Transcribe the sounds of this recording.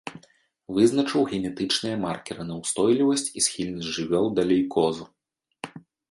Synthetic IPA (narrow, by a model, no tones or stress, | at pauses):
vɨznɐt͡ʂɨwɣʲɛnʲɛt̪ɨt͡ʂnɨjɐmarkʲɛɾɨnɐwst̪ɔjlʲivɐsʲt͡sʲisxʲilʲnɐsʲʐɨvʲɔlˠd̪alʲejkʰɔzu